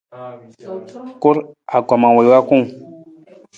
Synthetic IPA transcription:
ko˦ɾa˨ɡa˨mã˨we˨wa˦ku˦ŋ

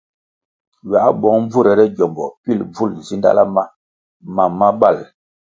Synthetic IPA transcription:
ɥa˨˦bɔ˨˦ŋɱ˦b͡vu˦˨ɾɛ˨ɾɛ˦ɟɔ˨mbɔ̰˨pi˦lb͡vu˦˨lzi˦nda̰˦la˦ma˦ | ma˨mːa˦ɓa˦˨l

